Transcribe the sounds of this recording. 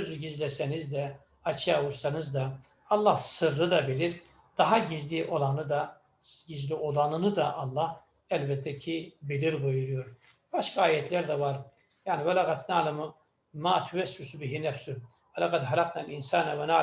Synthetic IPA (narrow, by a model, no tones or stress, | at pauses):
øzyɟizlɛsɛnizd̪ɛ | ɑt͡ʃʰjauɾsanɯzd̪a | ɑlˠːɑhsɯɾːɯd̪abiliɾ | d̪̥ɑɦaɟizliʔolˠanɯd̪a | ɟizlio̞lˠɑanɯnɯd̪aʔɑlˠːɑh | ælbɛt̪ʰːɛcʰibiliɾbujuɾujoɾ | b̥aʃkʰaaːjɛt̪ʰlæɾd̪ɛvaɾ | jaʕnivɛlaːɣat̪naːlamu | maːt̪ʰyvɛsbysubiɦinɛfsy | vɛlaɣat̪ɦaɾaqnalinsaːnavɛnaː